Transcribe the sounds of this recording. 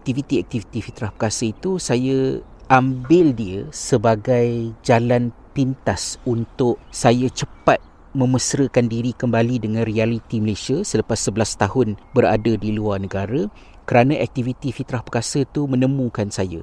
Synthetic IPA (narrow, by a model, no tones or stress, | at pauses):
k̚t̪ivit̪iɛk̚t̪ivit̪ifit̪ɾahpə̥kasəit̪usaja | ʔambɪldiəsəbaɡajd͡ʒalanpint̪asunt̪ʊʔsajat͡ʃəpat̪̚ | mə̃məsɾəkandiɾikəmbalidəŋãnrialit̪iməlesiasələpasːəbəlast̪aɦʊnbəɾa̰dadiluarnəɡaɾa | kəɾanãʔɛk̚t̪ivit̪ifit̪ɾahpəkasət̪umə̃nəmũkansaja̰